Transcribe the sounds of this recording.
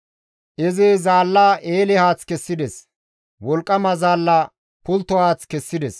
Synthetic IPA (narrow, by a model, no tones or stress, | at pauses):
ʔɛzɪzaːlːaːʔeːlɪhaːt͡skɛsːɪd̪ɛs | wɔlkʼːɐmɐzaːlːaː | pʊlt̪ːɔhaːt͡skɛsːɪd̪ɛs